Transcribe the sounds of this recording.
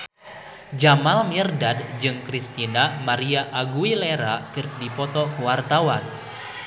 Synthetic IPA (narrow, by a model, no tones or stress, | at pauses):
d͡ʒamalmirdad̚d͡ʒɨŋkɾist̪inamaɾiaʔaɡuileɾakɨr̚dipɔt̪ɔkuwart̪awan